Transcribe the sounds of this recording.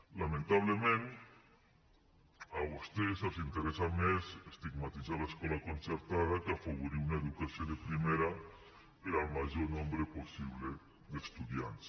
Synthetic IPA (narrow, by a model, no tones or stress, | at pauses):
lamẽnt̪aβ̞lemẽn | aβost̪esalsint̪eɾesamesest̪iɡmat̪izalaeskɔlakonseɾt̪aðakafaβuɾiunaeðukasjoðepɾimeɾa | eɾalmaʒonɔ̃mbɾeposiβ̞le | ðest̪uðja̰ns